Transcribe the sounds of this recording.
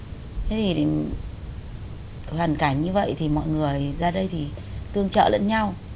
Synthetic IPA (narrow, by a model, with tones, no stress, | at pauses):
t̪ʰe˨˦jt̪ʰi˨˩ɗe˨˦n | kɔ˨˦hwaː˨˩nkaː˧˩ŋɲɨ˧və̰˧˨jt̪ʰi˨˩mɔ̰˧˨jŋɨ˨˩əjzaː˧ɗə˧jt̪ʰi˨˩t̪ɨ˧əŋt͡ɕə̰ː˧˨lə̰˧˥nɲa˧w